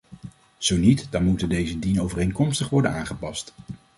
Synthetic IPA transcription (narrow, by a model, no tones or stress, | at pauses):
z̥ownitdɑnmutəndejzədinowvərejŋkɔmstəχʋɔɹdənaːχəpɑst